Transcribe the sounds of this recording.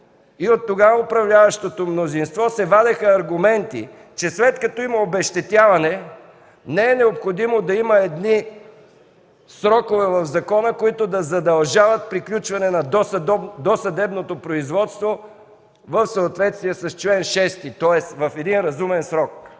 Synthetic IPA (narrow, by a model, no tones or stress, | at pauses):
iot̪ːoɡaopɾɐvlʲavɐʃt̪ot̪omnozinst̪vɔsɛvad̪ɛxəːɾɡʊmɛnt̪ḭ | t͡ʃɛslɛt̪kɐt̪ɔimɐobɛʃt̪ɛt̪ʲjavɐnɛ | nɛɛnɛopxod̪imod̪ɐimɐɛd̪ni | sɾɔkovɛvɐvzɐkɔnəkoit̪ʊd̪ɐzɐd̪ɐlˠʒavɐt̪̚pɾiklʲut͡ʃvɐnɛnɐd̪ɔsd̪osɐd̪ɛbnot̪opɾoizvɔt̪st̪vo | vɐfsəːt̪vɛt̪st̪viɛsɐst͡ʃlɛnʃɛst̪it̪ɔɛsvɐfɛd̪inɾɐzumɛnsɾɔk̚